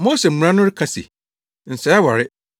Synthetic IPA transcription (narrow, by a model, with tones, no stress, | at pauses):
mo˦sɛ˨mʊ̃˨ã˦nʊ̃˦ɾɪ˦kʰa˨sḭ˨ | n̩˨sɛ˨ɛ˦wa˨ɾɪ˦